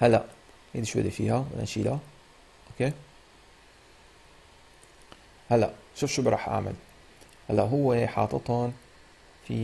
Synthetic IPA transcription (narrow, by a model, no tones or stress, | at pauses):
halːaʔ | heːd̪iʃwa̰d̪ifiːhawɪ̰nʔaʃila | ʔokeː | halːaʔʃuːfʃubɾˤɑːħʔa̰ːma̰l | halːaʔɦʊwːeħɑ̰ːt̪ˤɨt̪ˤɑn | fḭ